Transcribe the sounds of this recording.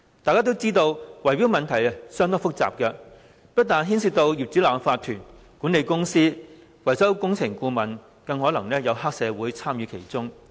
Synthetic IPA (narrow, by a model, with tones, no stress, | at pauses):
t̪aː˨jkaː˥t̪o˥wt͡siː˥t̪o˧wwɐ˨˩jwiː˨˥wmɐ˨nt̪ʰɐ˨˩jɐ˨sœː˥ŋt̪ɔː˥ŋfʊ˥k̚t͡sa̰ː˨p̚kɛ˧ | pɐ˥t̚t̪aː˨nɦiː˥nsi˧t̪o˧wji˨p̚t͡syː˨˥laː˨˩faː˧t̪ʰːyː˨˩n | kuː˨˥ne˨˧jkʊ˥ŋsiː˥ | wɐ˨˩jsɐ˥wkʊ˥ŋt͡sʰɪ˨˩ŋkuː˧mɐ˨n | kɐ˧ŋɦɔː˨˥lɐ˨˩ŋlɛː˥jɐ˨˧wɦaː˥k̚sɛː˨˧wuː˨˥jt͡sʰaː˥mjyː˨˧kʰe˨˩jt͡sʊ˥ŋ